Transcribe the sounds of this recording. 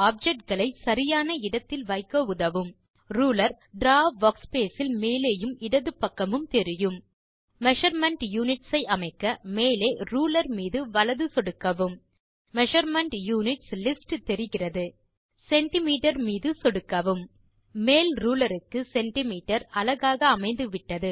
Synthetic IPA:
aːp̚d͡ʒɛk̚ʈ̚ɡɐɭɐɪsɐɾɪjaːnɐɪɽɐt̪ːɪlʋɐɪkːɐʊðɐʋɯm | ɾuːlɐɾ | ɖɾaːʋːɐːkspeːsɪlmeːleːjɯmɪɽɐðɯpːɐkːɐmɯmt̪ɛɾɪjɯm | mɛʂɐɾmɛɳʈjuːnɪʈsɐɪʔɐmɐɪkːɐmeːleːɾuːlɐɾmiːðɯʋɐɭɐðɯsɔɽɯkːɐʋɯm | mɛʂɐɾmɐɳʈjuːnɪʈslɪsʈt̪ɛɾɪɣɪrɐðɯ | sɛɳʈɪmiːʈɐɾmiːðɯsɔɽɯkːɐʋɯmː | eːlɾuːlɐɾɯkːɯsɛɳʈɪmiːʈːɐɾɐlɐɣaːɣɐːmɐɪnd̪ɯʋɪʈːɐðɯ

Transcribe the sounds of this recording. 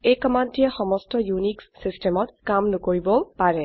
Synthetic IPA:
ejkɔmantiɛxɔmɔstɔjunikssistɛmɔtkamnʊkoɹibɔpaɹɛ

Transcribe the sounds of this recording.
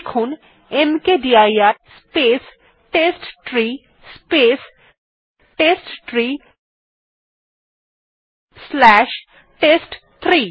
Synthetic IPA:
kʰũn | emkeɖiajaspes | ʈesʈʈɾi | spes | ʈesʈʈɾi | slɛʃ | ʈesʈt̪ʰɾiː

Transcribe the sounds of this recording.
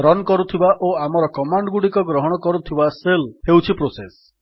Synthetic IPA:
ɾɔnkɔɾut̪ʰibaʔoamɔɾɔkɔmaɳɖɡuɽikɔɡɾɔɦɔɽ̃ɔkɔɾut̪ʰibaselhewt͡ʃʰipɾoses

